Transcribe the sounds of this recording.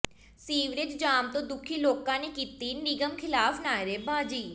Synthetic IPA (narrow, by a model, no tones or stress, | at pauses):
siːʋɾɪt͡ʃd͡ʒaːmt̪õːd̪ʊkʰiːloːkãːneːkiːt̪iːnɪɡəmkʰɪlaːfnaːjɾeːbãːd͡ʒiː